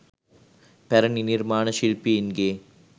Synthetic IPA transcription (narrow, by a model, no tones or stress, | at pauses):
pɛɾɐnɪnɪɾmaːnɐʃilpiɪnɡeː